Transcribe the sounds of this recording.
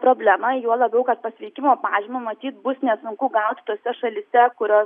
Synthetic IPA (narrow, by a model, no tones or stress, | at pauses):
pɾoːbʲlʲæmɐjuɔlˠɐbʲɛʊkɐt̪̚pɐsʲʋʲɛɪkʲɪmoːpɑːʒʲɪmomɐt̪ʲiːt̪̚bʊsnʲɛsʊŋkʊɡɐʊt̪ʲt̪oːsʲɛʃɐlʲɪsʲɛkʊɾʲoː